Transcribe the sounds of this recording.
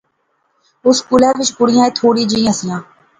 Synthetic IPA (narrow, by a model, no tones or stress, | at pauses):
ʊskuːlɛːɾʋɪt͡ʃpʊɽɪjãːẽːt̪ʰoːɽiːd͡ʒĩːəsɪjãː